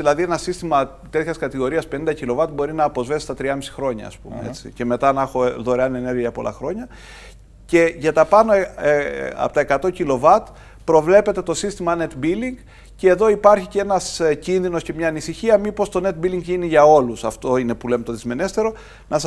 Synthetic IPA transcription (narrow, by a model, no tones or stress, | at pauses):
ilɐðienɐsist̪imɐ | t̪e̞t̪çɐskɐt̪iɣo̞ɾiɐspe̞nind̪ɐcilo̞vɐt̪bo̞ɾinɐːpo̞zve̞si̥t̪ɐt̪ɾiɐmisi̥xɾo̞ɲɐ̰ːspṵmḛet͡sḭce̞me̞t̪ɐnɐxo̞ðo̞ɾeɐnene̞ɾʝiɐʝɐpo̞lɐ̰xɾo̞ɲɐ | ce̞ʝɐt̪ɐpɐno̞ | ɐ̰pot̪ɐekɐt̪o̞cilo̞vɐt̪ | pɾo̞vle̞pe̞t̪e̞t̪o̞sist̪imɐne̞t̪biliŋɡ | ce̞ːðo̞ipɐɾçiceenɐscinðino̞sce̞mɲɐːnisiçiɐmipo̞st̪o̞ne̞t̪̚biliŋɡʝiniʝɐo̞lusɐft̪o̞ine̞pulemet̪o̞ðizme̞ne̞st̪e̞ɾo̞ | nʔɐs